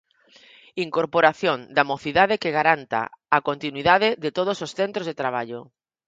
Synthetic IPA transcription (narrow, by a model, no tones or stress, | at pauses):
iŋkoɾpoɾaθjõnd̪amoθiðaðekeɣaɾant̪a̰akont̪inwiðaðɪðet̪oð̞ososθent̪ɾozðet̪ɾaβ̞aʎo